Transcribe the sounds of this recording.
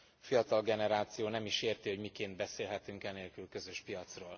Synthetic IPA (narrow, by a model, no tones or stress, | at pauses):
fijɒt̪ɒlɡɛnɛɾaːt̪sijoːnɛmiʃeːrt̪iɦo̞ɟmikeːnd̪̚bɛseːlɦɛt̪yŋkɛneːlkylkø̞zø̞ʃpijɒt̪sroːl